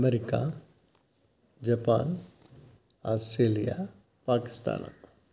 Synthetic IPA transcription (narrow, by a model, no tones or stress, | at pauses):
meɾɪka̰ | d͡ʒɐpa̰ːn | aːsʈɾeːlija | paːkɪ̥st̪a̰ːna̰